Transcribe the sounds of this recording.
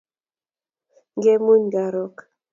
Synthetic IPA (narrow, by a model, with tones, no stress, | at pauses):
ŋɡe˦mu˦ɲɡa˨ɾɔ˦˨k